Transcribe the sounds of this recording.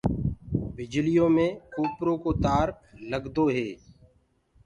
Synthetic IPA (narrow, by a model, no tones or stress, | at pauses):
bɪd͡ʒlɪjõːmẽːkuːpɾõːkoːt̪aːɾ | ləɡd̪oːɦeː